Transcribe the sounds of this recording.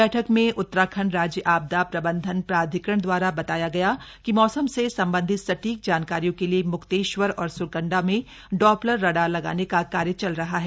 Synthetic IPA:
ɛːʈʰəkmẽʔʊt̪ːɾaːkʰəɳɾaːd͡ʒjəʔaːb̚d̪apɾɐbə̃nd̪ʱənpɾaːd̪ʱɪkɾəɳ̃d̪waːɾabɐt̪aːjaɡɐja | kimɔːsəmsesɐ̃mbə̃nd̪ʱɪt̪sɐʈiːk̚d͡ʒaːnkaːɾijõkeliemʊkt̪eːʃwəɾɔːɾsʊɾkə̃ɳɖamẽ | ɖɔːpləɾːɐɽalɐɡa̰ːnekakaːɾjət͡ʃɐlɾɐɦaɦɛ

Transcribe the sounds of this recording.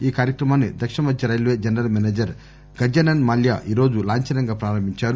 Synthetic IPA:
iːkaːɾjɐkɾɐmaːnːid̪ɐkʂɐmɐd̪d͡ʒjɐɾɐjlʋeːd͡ʒɐnɾɐlmɛneːd͡ʒɐɾ | ɡ̥ɐɾd͡ʒɐnɐnmɐljaʔiːɾo̞ːd͡ʒulaːɲt͡ʃɐnɐŋɡaːpɾaːɾɐmbʱiɲt͡ʃaːɾu

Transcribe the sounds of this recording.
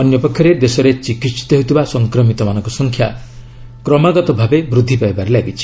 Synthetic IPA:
ɔnjɔpɔkʰjɔɾed̪esɔɾet͡ʃikit̪st̪ɔɦot̪ibasɔŋkɾɔmit̪ɔmanɔŋkɔsɔŋkʰja | kɾɔmaɡɔt̪ɔbʱabebɾud̪ʱːipaebaɾelaɡit͡ʃʰi̥

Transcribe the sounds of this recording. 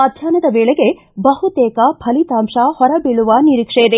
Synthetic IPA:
ɐd̪ʱjaːnɐd̪ɐʋeːɭeɡe̞ | bɐɦut̪eːkɐbʰʱɐlit̪aːmʂɐhɔɾɐbiɭuʋɐniɾiːkʂejɐd̪e

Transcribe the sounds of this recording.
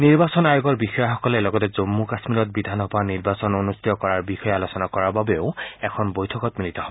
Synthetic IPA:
niɹbasɔnajoɡɔɹbixɔjaxɔkɔlɛlɔɡɔtɛzomːukasmiɾɔt̚bid̪ʱanɦɔbʱaniɹbasɔnonustitɔkɔɹaɹbixɔjɛalosɔnakɔɹaɹbabeʊɛkʰɔnbojtʰɔkɔtmilitɔɦɔbɔ

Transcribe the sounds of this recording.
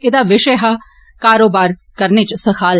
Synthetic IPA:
ɪd̪aːʋɪʃeːɦa | kaːɾoːbaːɾkəɾnet͡ʃsɐkʰaːl

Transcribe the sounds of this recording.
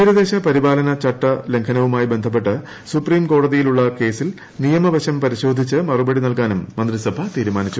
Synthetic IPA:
iːɾɐd̪e̞ːɕɐpɐɾibaːlɐnɐt͡ɕɐʈːɐle̞ŋkʰɐnɐʋumaːjibe̞nd̪ʱɐp̬ːe̞ʈːɨ | supriːmko̞ːɽɐðijiluɭːɐke̞ːsil | nijɐmɐʋɐɕɐmpɐɾiɕo̞ːd̪ʱit͡ɕːɨmɐrubɐɽinɐlkaːnumːɐnd̪risɐbʱɐt̪iːɾumaːnit͡ɕːu

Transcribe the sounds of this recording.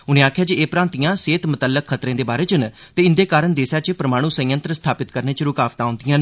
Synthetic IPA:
ʊnẽːaːkʰjaːd͡ʒieːpɾãːnt̪ɪjãːseːt̪mət̪əlːəkʰːət̪ɾẽːd̪eːbaːɾeːt͡ʃənt̪eːɪnd̪eːkaːɾəɳd̪eːsaːt͡ʃəpɾəmaːɽ̃ũːsə̃jə̃nt̪ɾəst̪ʰaːpɪt̪kəɾneːt͡ʃəɾʊkaːʋt̪aːʊ̃nd̪ɪjãːneː

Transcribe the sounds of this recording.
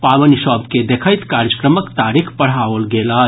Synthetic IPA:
paːʋənʃɔːbked̪ekʰəjt̪kaːɾjəkɾəməkt̪aːɾikʰpəɽ̤awəlɡeːla

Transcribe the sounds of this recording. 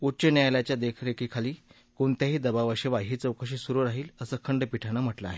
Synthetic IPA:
ut͡ɕənjajlat͡ɕjad̪ekʰɾekʰikʰaliː | koɳt̪jaɦiːd̪əbaʋəɕeʋaɦiːt͡səwkəɕisuɾuɾaɦiːləsəːkʰəɳɖəpiʈʰañəm̤əʈlaːɦe

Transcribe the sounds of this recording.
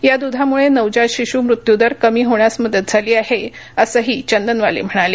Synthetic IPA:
jad̪ud̪ʱamuɭenəʋd͡ʑaɕiɕuːmɾut̪jud̪əɾkəmiːɦoɳjasməd̪ət̪̚d͡zʱaliːaheəsəɦiːt͡ɕənd̪ənʋalḛm̤əɽ̃ale

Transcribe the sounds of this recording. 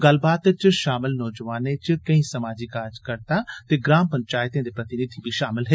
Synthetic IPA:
ɡəl̤baːt̪t͡ʃʃaːmɪlnɔːd͡ʒʋaːnet͡ʃkəĩːsəmaːd͡ʒikaːɾd͡ʒkəɾt̪aːt̪eːɡɾaːmpəɲt͡ʃaːɪt̪ẽːd̪eːpɾət̪ɪnɪd̪ʱibʱiʃaːmɪlɦe

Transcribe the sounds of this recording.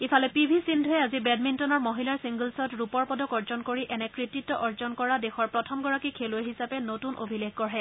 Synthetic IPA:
ifʰalɛpibʱisindʱʊɛazibɛdmintɔnɔɹmoɦilaɹsiŋɡulsɔtɹupɔɹpɔdɔkɔɹzɔnkoɹiʔɛnɛkɹititːɔʔɔɹzɔnkɔɹadɛxɔɹpɹɔtʰɔmɡɔɹakikʰelueɦisapɛnotunʔo̰bʱilexkɔɹɦɛ

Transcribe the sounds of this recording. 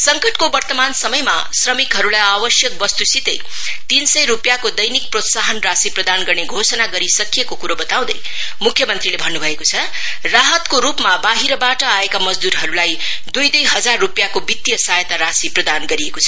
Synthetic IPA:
sʌŋkʌʈkobʌrt̪ʌmansʌmʌjma̰srʌmikɦʌɾulajabʌsjʌk̚bʌst̪usit̪ʌ̰j | t̪insʌjɾupjakod̪ʌjnik̚prot̪saɦʌnrasiprʌd̪anɡʌrneɡʱosʌnaɡʌɾisʌkijekokuɾobʌt̪aw̃d̪ʌj | mukʰjʌmʌnt̪rilebʱʌnːubʱʌekot͡sʰʌ | raɦʌt̪koɾupmabaɦiɾʌbaʈʌaekamʌd͡zd̪uɾɦʌɾulaj | d̪ujd̪ʌjɦʌd͡zarːupjakobit̪jʌsajet̪aɾasiprʌd̪anɡʌɾiekot͡sʰʌ

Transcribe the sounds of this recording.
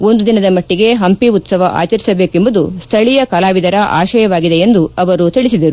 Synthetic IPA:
o̞nd̪ud̪inɐd̪ɐmɐʈːiɡe̞ɦɐmpiut̪sɐʋɐʔa̰ːt͡ʃɐɾisɐbe̞ːke̞mbɐd̪ust̪ʰɐɭijɐkɐlaːʋid̪ɐɾɐʔa̰ːʃɐjɐʋaːɡid̪e̞end̪uɐʋɐɾut̪iɭisid̪ɐɾu

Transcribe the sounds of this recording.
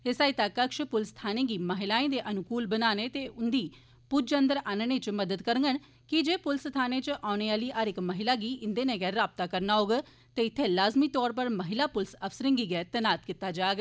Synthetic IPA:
ɪsaːit̪akəkʃpʊlst̪ʰaːneːɡiːməɦɪlaːẽːd̪eːʔənʊkuːlbənaːneːt̪eːʔʊnd̪iː | pʊd͡ʒənd̪əɾaːnəneːt͡ʃməd̪əd̪kəɾəŋɡən | kɪd͡ʒeːpʊlst̪ʰaːneːt͡ʃʔaːʊneːaːliːʔəɾɪkməɦɪlaːɡiːʔɪnd̪eːneːɡɛːɾːaːb̚t̪aːkəɾnaːoːɡə | t̪eːɪt̪ʰːeːlaːzmiːt̪ɔːɾpəɾməɦɪlaːpʊlsəfsəɾɪ̃ŋɡiːɡɛːt̪ənaːt̪kɪt̪ːaːd͡ʒaːɡ

